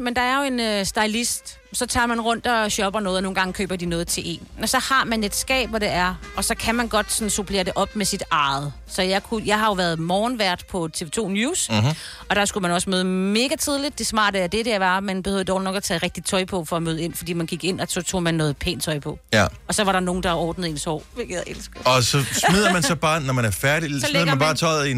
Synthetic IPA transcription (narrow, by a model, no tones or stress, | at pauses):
mend̥ɑ̈æɐjo̝e̝nøsd̥ɑ̈ɪlisd̥ | sɒ̽t͡sʰɑ̰̈ːmænʁɔ̽n̰d̥ɒ̽ɕɒ̽b̥ɐnɔ̽ːð̩ˠno̝ːnɡɑ̈ŋəkʰø̰ːb̥ɐd̥inɔːð̞̩ˠt͡sʰe̝ʔe̝̰ːnɒ̽sɒ̽hɑ̈mæne̝d̥sɡ̥ɛ̰ːb̥ʋɒɾ̥e̝æɐʔɒ̽sɒ̽kʰæmænɡ̥ɒ̽d̥sɒ̽n̩supʰle̝̰ːɐd̥e̝ʔɒ̽b̥mesid̥ɑ̈ːð̩ˠ | sɒ̽jɑɪkʰujɑ̈ɪɦɑ̈jo̝ʋæɐðˠmɒːnʋæɐ̰d̥pʰɒ̽t͡sʰe̝ʋet͡sʰo̝̰ːnjuːs | ɒ̽d̥ɑ̈sɡ̥umænɒ̽smøːðˠəme̝ːɡ̥æt͡sʰið̞ˠlid̥̚ːe̝smɑ̰̈ːd̥əæɐd̥e̝ɾ̥æʋɑ̈mænb̥e̝høðˠdɒːʊlinɒ̽ɡ̥æt͡sʰɛ̰ːʁɛɡ̥̚d̥it͡sʰɒ̽ɪpʰɒ̽fɒ̽ɒmøːðˠe̝n̰fɒd̥ḭːmænɡ̥iɡ̥e̝n̰ɒsɒ̽t͡sʰo̝̰ːmænːɔ̽ːð̩ˠpʰḛːnt͡sʰɒ̽ɪpʰɒ̽ɒ̽sɒ̽ʋɑ̈ɾɑ̈no̝ːn̩d̥ɑ̈ɒːd̥n̩ð̩ˠe̝ːnsɒ̰ʊ̰ʋeɡ̥æʔelsɡ̥ɒ̽sɒsmið̞̰ˠɐmænsɒ̽b̥ɑ̈ːnɒmænæɐfæɐɾisɒliðˠɡɐænb̥ɑ̈ːt͡sʰɒ̽ɪðˠin